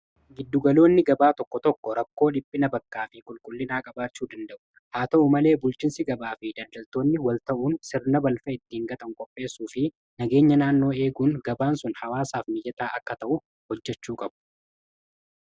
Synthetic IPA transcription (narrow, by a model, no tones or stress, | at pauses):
ɡɪd̪ːʊɡɐlo̞ːnːɪɡɐbaːt̪ɔkːɔt̪ɔkːɔɾɐkːo̞ːᶑɪpʼːɪnɐbɐkːaːfɪkʼʊlkʼʊlːɪnaːkʼɐbaːt͡ʃːuːd̪ɐnd̪ɐʔʊ̥ | haːt̪ɐʊmɐle̞ːbʊlt͡ʃɪnsɪɡɐbaːfɪd̪ɐld̪ɐlt̪oːnːɪwɐlt̪ɐʔuːnsɪɾnɐbɐlfɐɪt̪ːiːŋɡɐt̪ʼɐŋkʼɔpʼːe̞ːsːuːfɪ | nɐɡe̞ːɲːɐnaːnːo̞ːe̞ːɡuːnɡɐbaːnsʊnhɐwaːsaːfmɪjɐt̪ʼaːʔɐkːɐt̪ɐʔʊ | hɔd͡ʒːɛt͡ʃːuːkʼɐbʊ̥